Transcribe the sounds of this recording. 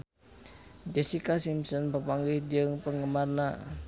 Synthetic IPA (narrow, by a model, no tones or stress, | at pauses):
d͡ʒɛsikasimsənpəpaŋɡihdiəŋpəŋəmarna